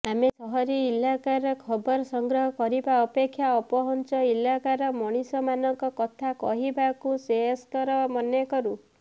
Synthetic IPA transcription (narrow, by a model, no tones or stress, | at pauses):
amesɔɦɔɾiːlːakaɾɔkʰɔbɔɾɔsɔŋɡɾɔɦɔkɔɾibaɔpekʰːjaɔpɔɦɔnt͡ʃɔilːakaɾɔmɔɽ̃isɔmanɔŋkɔkɔt̪ʰakɔ̰ɦibakuseɦɔskɔɾɔmɔnjɔkɔɾu